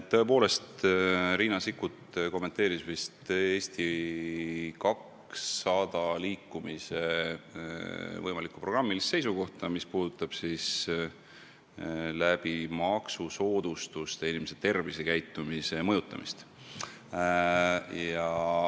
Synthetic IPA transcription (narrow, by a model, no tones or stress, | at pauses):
tt̪ːoe̞po̞ːle̞st̪ɾiːnɑsikːut̪ko̞mːe̞nt̪ːˑeːɾisvist̪e̞ːst̪i | kɑk | sɑd̪̥ɑliːkːˑumise̞ | vɤjmɑlikːupro̞ɡrɑmːilisːe̞js̬uko̞ht̪ɑmispuːd̪̥ut̪ːˑɑb̥sis | læb̥imɑksuso̞ːd̪̥ust̪ust̪einʲimes̬et̪e̞rvisekæjt̪ːˑumise̞mɤjut̪ːˑɑ̰mist̪ | jɑ